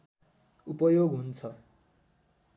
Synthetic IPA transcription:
upʌjoɡɦunt͡sʰʌ

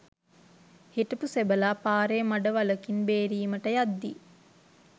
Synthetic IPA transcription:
hiʈəpusebəlaːpaːɾemaɖəʋaləkinbeːɾiːməʈəjad̪ːi

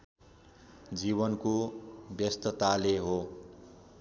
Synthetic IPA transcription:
d͡zibʌnkobjʌst̪ʌt̪aleɦo

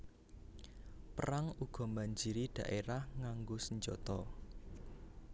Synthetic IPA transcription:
pəɾaŋuɡ̥ɔ̤maɲd͡ʒiɾiɖ̥ä̤ʔeɾahŋaŋɡosəɲd͡ʒɔt̪ɔ

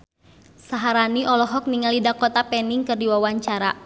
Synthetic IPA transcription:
saɦaɾaniʔɔlɔɦɔk̚niŋalidakɔt̪apɛniŋkɨrdiwawaɲt͡ʃaɾa

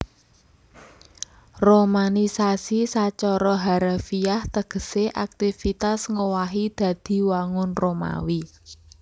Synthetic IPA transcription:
romanisasisat͡ʃɔɾɔɦaɾafiaht̪əɡ̥ə̤seʔak̚t̪ifit̪asŋowaɦid̪̥ä̤d̪̥i̤waŋʊnroma̰wi

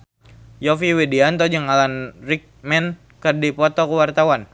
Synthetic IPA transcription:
jɔfiwediant̪ɔd͡ʒəŋalanrik̚mɛn | kərdipɔt̪ɔkəwart̪awan

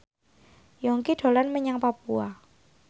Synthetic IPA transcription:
jɔŋkiɖ̪̥o̤lanməɲaŋpapua

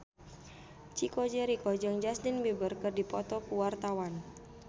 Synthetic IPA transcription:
t͡ʃikod͡ʒɛɾikɔd͡ʒəŋd͡ʒastɪnbibərkɨrdipɔt̪ɔkuwart̪awan

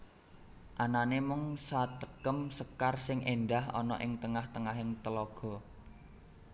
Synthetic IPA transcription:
ʔananemʊŋsat̪əkəmsəkarsɪŋʔenɖahɔ̰nɔ̰ʔɪŋt̪əŋaht̪əŋaɦɪŋt̪əlɔɡ̥ɔ̤

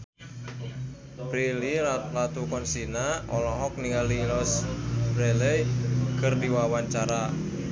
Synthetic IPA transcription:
pɾililat̪ukɔnsinaɔlɔɦɔk̚niŋalilɔsbɾɛlɛjkɨrdiwawaɲt͡ʃaɾa

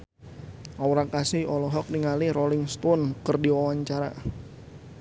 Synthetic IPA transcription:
ʔawɾakasɪɔlɔɦɔk̚niŋaliɾolɪŋst̪ɔnkərdiwawaɲt͡ʃaɾa̰

